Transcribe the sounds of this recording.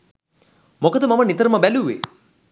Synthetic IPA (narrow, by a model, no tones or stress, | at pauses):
mokəd̪əmamənit̪əɾəməbæluʋḛ